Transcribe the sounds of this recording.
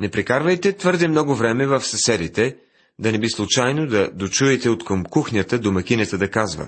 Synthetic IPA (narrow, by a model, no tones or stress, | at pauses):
nɛpɾɛkaɾvɐjt̪ɛt̪vɤɾd̪ɛmnɔɡʊvɾɛmɛvəfsɐsɛd̪it̪ɛ | d̪ɐnɛbislˠʊt͡ʃajnod̪ɐd̪ot͡ʃuɛt̪ɛot̪kəmkuxnʲjət̪əd̪omɐk̟inət̪əd̪ɐkazvə̰